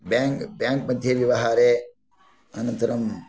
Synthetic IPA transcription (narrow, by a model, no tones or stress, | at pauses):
baŋkbjaːŋkmɐd̪ʱjɐʋjɐʋɐɦaːɾeː | ɐnɐnt̪ɐɾɐm